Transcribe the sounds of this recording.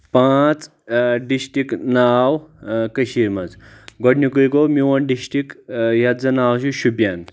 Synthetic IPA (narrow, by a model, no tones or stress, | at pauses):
pãt͡s | ɖisʈiknawkəɕiɾmɐd͡zɡɔɽnikuɾikomiwɔnɖisʈikjad͡zɐnawɕ̬uɕubjan